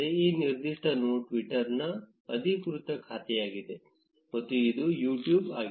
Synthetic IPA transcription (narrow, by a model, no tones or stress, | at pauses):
eiːniɾd̪iʂʈɐnoːʈʋiʈɐɾnɐ | ɐd̪ʱikɾut̪ɐkʰaːt̪ɛjaːɡid̪e̞ | mɐt̪ːuid̪ujuːʈjuːbaːɡ